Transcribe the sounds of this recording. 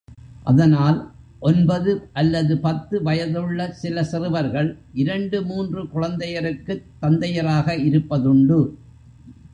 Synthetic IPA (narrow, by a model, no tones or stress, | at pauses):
ʔɐ̰ðɐnaːl | ʔɔnbɐðɯʔɐlːɐðɯpɐt̪ːɯʋɐjɐðɯɭːɐsɪlɐsɪrɯʋɐɾɣɐɭʔɪɾɐɳɖɯmuːndrɯkʊɻɐnd̪ɐjɐɾɯkːɯt̪ːɐnd̪ɐjɐɾaːɣɐɪɾɯpːɐðʊɳɖɯ